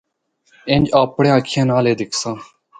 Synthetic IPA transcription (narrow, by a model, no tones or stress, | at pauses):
ẽnd͡ʒaːpɽẽːãːkʰẽːnaːleːd̪ɪkʰsãː